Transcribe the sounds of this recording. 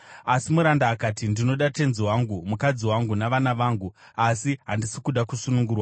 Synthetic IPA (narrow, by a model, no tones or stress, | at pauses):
asimuɾandaːkaːtindino̞ɗate̞nziwaŋɡumukad͡ziwaŋɡunaʋanaʋaːŋɡu | asiɦandisikuɗakusunuŋɡuːrwa